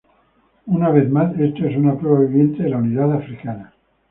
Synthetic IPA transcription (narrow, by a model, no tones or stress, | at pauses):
unaβ̞eθmasest̪oesunapɾeβaβiβjent̪eðelauniðat̪afɾikana